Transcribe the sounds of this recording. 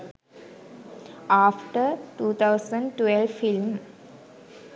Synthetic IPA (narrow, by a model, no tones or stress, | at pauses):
aːfʈəʈuːt̪ʰawsə̃ɳɖʈʋelfilm